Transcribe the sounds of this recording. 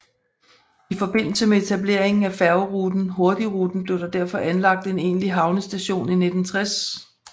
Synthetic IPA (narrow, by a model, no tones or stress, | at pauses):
ifɒ̽b̥e̝n̰l̩səmee̝t͡sʰæble̝̰ɐ̰e̝ŋn̩æfæɐʊʁud̥n̩ɦo̝ɐd̥iʁuːd̥n̩b̥le̝ʊd̥ɑd̥æɐfɒ̽ʔænlɑ̈ɡ̥̚d̥e̝ne̝̰ːnliɦɑ̈ʊnəsd̥æɕo̝̰ːnine̝d̥n̩t͡sʰʁas